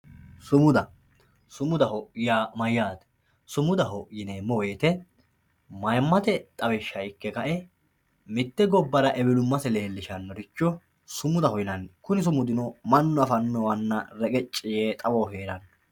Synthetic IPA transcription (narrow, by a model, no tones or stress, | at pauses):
sʊmʊd̪ɐ | sʊmʊd̪ɐɦɔjaːmɐjːaːd̪ | sʊmʊd̪ɐɦɔjɪneːmːɔweːt̪ɛ | mɐjmːɐt̪ɛt̪ʼɐwɛʃːɐjɪkːɛkɐʔɛ | mɪt̪ːɛɡɔbːɐɾɐʔɛbɪlʊmːɐsɛle̞ːlːɪʃɐnːɔɾɪt͡ʃːɔ | sʊmʊd̪ɐhɔjɪnɐnkʊnɪs̬ʊmʊd̪ɪnɔmɐnːɔɐfɐnːɔwɐnːɐɾɛkʼɛt͡ʃʼːɪjeːt̪ʼɐwoːɦeːɾɐn